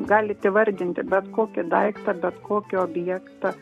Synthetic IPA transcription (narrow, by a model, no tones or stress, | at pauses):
ɡɑːlʲɪt̪ʲɪʋɐɾʲd̪ʲɪnʲt̪ʲɪbʲɛt̪koːkʲɪd̪ɐɪkt̪ɑbʲɛt̪kʰoːkʲɪoːbʲjɛkt̪ɑ